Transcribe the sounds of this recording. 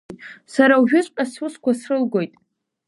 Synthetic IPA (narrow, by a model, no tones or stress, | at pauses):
saɾawʒᶣʊt͡ɕʷʼqʲʼasuskʷasrɨlɡʷo̞jtʼ